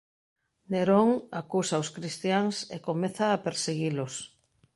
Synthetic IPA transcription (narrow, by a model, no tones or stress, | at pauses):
neɾoŋakusaoskɾist̪jaŋsḛkomeθaːpeɾseɣilʊs